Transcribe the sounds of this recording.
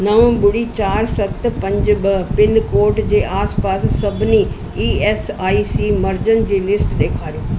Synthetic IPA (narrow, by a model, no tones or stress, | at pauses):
nɐʋ̃bʊɽit͡ɕaːɾsɐt̪pɐ̃ɲd͡ʑbɐpɪnkoːɾʈd͡ʑeːʔaːspaːssɐbʱɪni | iːeːsaːisimɐɾd͡ʑənd͡ʑeːlɪsʈɗ̪eːkʰaːɾijoː